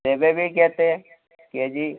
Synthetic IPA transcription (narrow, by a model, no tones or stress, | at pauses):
ebebʱikɛɦt̪eɦɛ̃ | kied͡ʒiː